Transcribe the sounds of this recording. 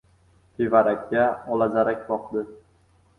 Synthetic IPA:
tʰevaɾakʲːaɒlˠazaɾakʲbɒqd̪ɪ

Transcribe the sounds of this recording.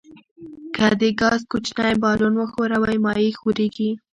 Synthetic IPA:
kad̪eɡɑzkʊt͡ʃnajbɑlonwəxoɾawajmɑjixoɾeɡi

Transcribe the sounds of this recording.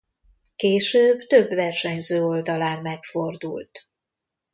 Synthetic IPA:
keːʃøːbt̪ø̞bvɛrʃɛɲzøːo̞ld̪ɒlaːnmɛkfo̞rd̪ṵlt̪

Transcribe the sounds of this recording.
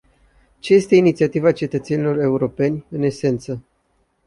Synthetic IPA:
t͡ʃe̞je̞st̪e̞init̪siat̪ivat͡ʃe̞t̪ət̪se̞nilo̞re̞uɾo̞pe̞nʲɨne̞se̞nt̪sə

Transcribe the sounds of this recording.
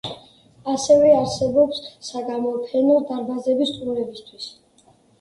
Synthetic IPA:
asɛvɛaɾsɛbɔpsːaɡamɔpʰɛnɔd̪aɾbazɛbist̪sʼumɾɛbist̪ʰwis

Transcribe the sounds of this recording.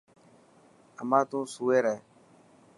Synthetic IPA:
əmãːt̪ũːsuːeːɾɛː

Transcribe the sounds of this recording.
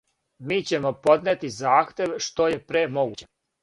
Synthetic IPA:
miːt͡ɕe̞mo̞po̞d̪net̪izaːxt̪ʲje̞ʋʃt̪o̞je̞pɾemo̞ɡut͡ɕe

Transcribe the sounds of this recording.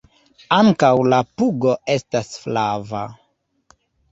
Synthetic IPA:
aŋkawlapuɡo̞e̞stasflava

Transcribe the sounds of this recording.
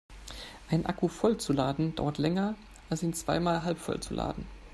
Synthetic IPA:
ʔaɪnʔa̰kufɔlt͡sulaːdn̩d̥a̰ʊɐtlɛŋɐ | ʔalsiːnt͡sv̥a̰ɪmaːlɦalpfɔ̰lt͡sulʔa̰ːdn̩

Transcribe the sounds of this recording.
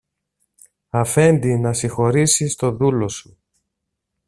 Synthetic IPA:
ɐfe̞nd̪inɐsixo̞ɾisist̪o̞ðulo̞su̥

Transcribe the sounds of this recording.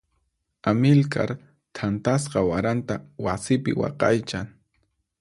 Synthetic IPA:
amɪlka̰ɾ | t̪ʰant̪asqɑwaɾant̪awasɪpɪ̰wɑ̰qɑjt͡ʃaŋ

